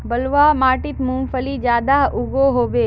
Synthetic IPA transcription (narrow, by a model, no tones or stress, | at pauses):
bɐlʋamaːʈɪt̪mũmfəlid͡ʒjaːd̪aʊɡoɦoːʋeː